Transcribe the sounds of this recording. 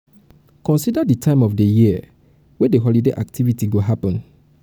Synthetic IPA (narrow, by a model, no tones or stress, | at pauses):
kɔ̃nsidaditʰãɪ̃mɔfdejiə | wedeɦɔlideʔa̰k̚tivitiɡoɦapɔ̃n